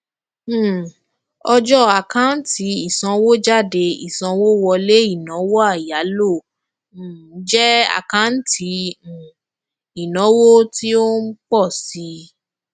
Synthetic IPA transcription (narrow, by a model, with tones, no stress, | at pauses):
ɔ˧d͡ʒɔ˦a˨kã˦n̩˦ti˨˧˦i˦˨sã˧wo˦d͡ʒa˦˨de˧ḭ˨sã˧wo˦wɔ˧le˦i˦˨nã˨˦wo˦a˦˨ja˨˦lõ˦˨˦ | d͡ʒɛ˦a̰˦˨kã˦n̩˦tĩ˧˨ | i˨nɔ̃˨˦wo˦ti˦o˦k͡pɔ˦˨si˧˦